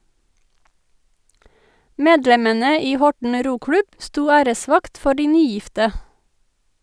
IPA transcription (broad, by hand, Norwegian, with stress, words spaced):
ˈmeːdlɛmənə ˈiː ˈhɔʈɳ̩ ˈɾuːˌklʉb ˈstuː ˈæːɾəˌsʋɑkt ˈfɔ ˈɖiː ˈnyːˌjɪftə